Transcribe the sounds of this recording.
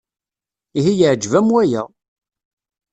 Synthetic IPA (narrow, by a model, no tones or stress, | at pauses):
iɦijəʕd͡ʒvæmwæjæ